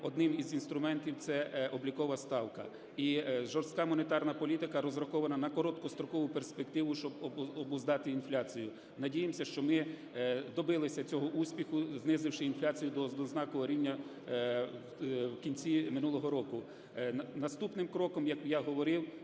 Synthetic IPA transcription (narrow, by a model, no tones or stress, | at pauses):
ɔd̪nɪmizinst̪ɾʊmɛnt̪ʲiwt̪sɛɔblʲikɔʋɐst̪ɑwkɐ̰ | iʒɔrst̪̚ʲkɑmɔnet̪ɑrnɐpɔlʲit̪ɪkɐɾɔzrɐkɔʋɐnɐnɐkɔɾɔt̪kɔst̪ɾɔkɔʋʊperspekt̪ɪʋʊʃt͡ʃɔbbɔbʊzd̪ɑt̪ɪinflʲat͡sʲijʊ | nɐdʲijemsʲɐʃt͡ʃɔmɪ | d̪ɔbɪlˠɪsʲɐt͡sʲɔɦɔʔusʲpʲixʊznɪzɪwʃɪinflʲat͡sʲijʊd̪ɔzɔznɑkɔɔɾʲinʲːɐ | wkʲinʲt͡sʲimɪnulˠɔɦɔɾɔkʊ | nɐst̪upnɪmkɾɔkɔmjɐkjaɦɔʋɔɾɪw